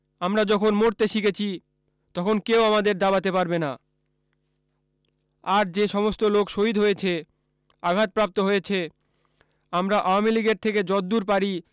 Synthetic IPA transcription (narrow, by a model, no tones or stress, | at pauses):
amɾad͡ʑɔkʰonmoɾt̪eʃiket͡ɕʰi | t̪ɔkʰonkeoamad̪eɾd̪abat̪epaɾbena | aɾd͡ʑeʃɔmost̪olokʃoɦid̪ʱɦojet͡ɕʰe | aɡʱat̪̚pɾap̚t̪oɦojet͡ɕʰe | amɾaʔaoamiliɡeɾt̪ʰeked͡ʑɔd̪d̪uɾpaɾi